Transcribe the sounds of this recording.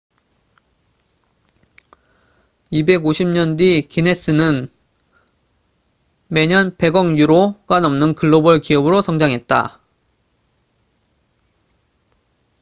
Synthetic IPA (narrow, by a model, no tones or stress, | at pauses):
ibe̞ɡoɕʰimɲʌndikine̞s͈ɯnɯn | me̞ɲʌnpe̞ɡʌŋjuɾoɡanʌmnɯnkɯɭːobʌɭkiʌbɯɾosʰʌŋd͡ʑaŋɦe̞t̚t͈a̰